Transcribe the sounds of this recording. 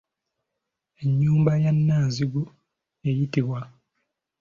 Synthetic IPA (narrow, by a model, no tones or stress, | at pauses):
e̞ɲːuːmbajanːaːnziɡu | ejitiβwa